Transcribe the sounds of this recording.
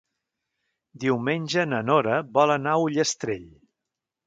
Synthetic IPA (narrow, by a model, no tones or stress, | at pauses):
d̪iwmenʲʒənənɔɾəβɔlənauʎəst̪ɾeʎ